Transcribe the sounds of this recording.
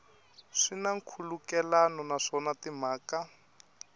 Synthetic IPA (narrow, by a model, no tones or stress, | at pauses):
ʂinaŋ̩kʰulukɛlanɔnaʂɔnatimaːka